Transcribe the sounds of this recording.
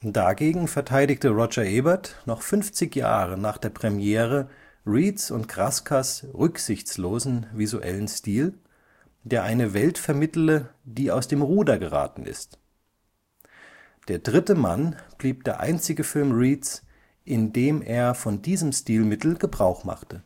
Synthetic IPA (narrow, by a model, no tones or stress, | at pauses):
d̥aɡeːɡŋ̩fɛɐtʰaɪdɪçtəʁɔd͡ʒɐʔɛbɐtnɔχfʏnft͡sɪçja̰ːʁənaːχd̥eːɐpʁ̥ɛmjeːʁə | ʁiːtt͡sʊ̰ntɡ̥ʁaskʰasʁʏkz̥ɪçt͡sloːzn̩vizuʔɛ̰lənstiːl | d̥eːɐʔaɪnəvɛltfɛɐmɪtl̩əd̥iːaʊsd̥eːmʁuːdɐɡəʁa̰ːtn̩ʔɪ̰st | d̥eːɐdʁɪtəma̰nb̥liːp̚d̥eːɐʔa̰ɪnt͡sɪɡəfɪlmʁiːt͡s | ʔɪndeːmʔeːɐfɔndiːzəmstiːlmɪtl̩ɡəbʁaʊχma̰χtʰə